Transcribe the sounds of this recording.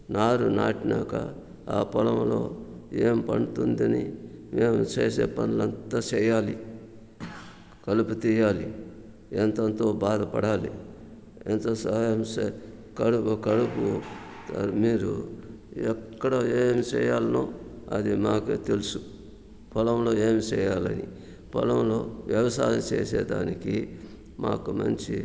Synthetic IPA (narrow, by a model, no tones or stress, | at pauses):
naːɾunaːʈina̰ːkɐ̰ | a̰ːpɐlɐmlo̞̰ː | eːmpɐɳut̪und̪ɐnḭmeːmut͡ʃeːsḛːpɐnulɐnt̪at͡ʃɛːjaːli | kɐluput̪iːjaːli | ent̪ɐnt̪oːbaːd̪ɐpɐɽaːlḭ | ent̪ɐsɐjɐmse | kɐɽupukɐɽuput̪miːɾṵ | ɛkːɐɽoeːmt͡ʃɛ̰ːjaːlɐnoːɐd̪imaːket̪elusu | pʰɔlɐmlo̞ːeːmt͡ʃɛːjaːlɐ̰ni | pɔ̰lɐmlo̞ːʋjɐʋɐsa̰ːjɐmt͡ʃḛːsḛːd̪a̰ːniki | ma̰ːkumɐ̰ɲt͡ʃi